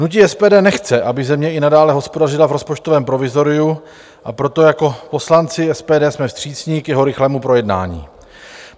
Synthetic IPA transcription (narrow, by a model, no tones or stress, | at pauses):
nuciɛspɛːdɛːnɛxt͡sɛʔabɪzɛmɲɛɪnadaːlɛɦo̞spo̞darɪlavɾo̞spo̞t͡ʃt̪o̞vɛːmpɾo̞vɪzo̞ɾɪu | ʔapɾo̞t̪o̞jako̞po̞slant͡sɪɛspɛːdɛːsmɛfst̪r̥iːt͡sɲiːkjɛɦo̞ɾɪxlɛːmupɾo̞jɛdna̰ːɲḭː